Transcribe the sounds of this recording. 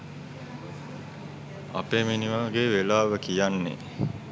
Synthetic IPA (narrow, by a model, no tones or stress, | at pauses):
a̰peːminiʋaːɡeːʋelaːʋəkijanːḛ